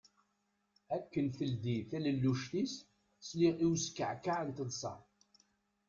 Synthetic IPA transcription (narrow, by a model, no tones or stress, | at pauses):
ækːənθəld̪iθæləlːuʃt̪is | sliʁiwskːəʕkːaʕənt̪əðˤsˤɑ̰ˤ